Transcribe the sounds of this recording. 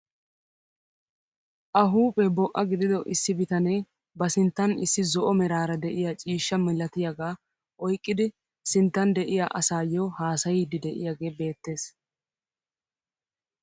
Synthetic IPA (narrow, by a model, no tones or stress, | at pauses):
ʔɐɦuːpʼɛbɔʔɐɡɪd̪ɪd̪ɔʔɪsːɪbɪt̪ɐneː | bɐsɪnt̪ːɐnɪsːɪzɔʔɔmɛɾaːɾɐd̪ɛʔɪjat͡ʃʼiːʃːɐmɪlːɐt̪ɪjaɡaː | ʔɔjkʼːɪd̪ɪ | sɪnt̪ːɐnd̪ɛʔɪja̰ʔɐsaːjɔːhaːsɐjɪd̪ɪd̪ɛʔɪ̰jaːɡe̞ːbe̞ːt̪ːe̞ːs